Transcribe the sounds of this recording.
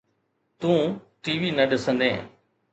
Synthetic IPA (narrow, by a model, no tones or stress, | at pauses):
t̪ũːʈiːʋiːnəɗɪsə̃nd̪ẽː